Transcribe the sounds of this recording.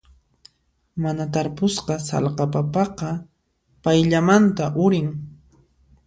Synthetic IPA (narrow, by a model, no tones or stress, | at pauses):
manat̪aɾpʊsqɑsɑ̰lqɑpapɑqɑ | pajʎamant̪aʔʊɾɪŋ